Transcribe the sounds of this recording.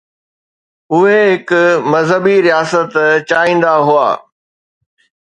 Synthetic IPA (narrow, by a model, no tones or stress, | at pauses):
ʊɦeɦɪkʊmɐzɦəbiɾijaːsət̪t͡ɕaːĩːn̆d̪aɦua̰ː